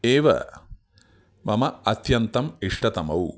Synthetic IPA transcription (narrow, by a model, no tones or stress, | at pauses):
eːʋɐ̰ | mɐmɐɐt̪jɐnt̪ɐmiʂʈɐt̪ɐmɐw